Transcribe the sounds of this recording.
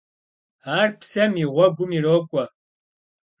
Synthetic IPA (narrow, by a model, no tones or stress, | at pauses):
aːrpʰsɐmiʁʷɔɡʷʊmiroːkʷʼɔ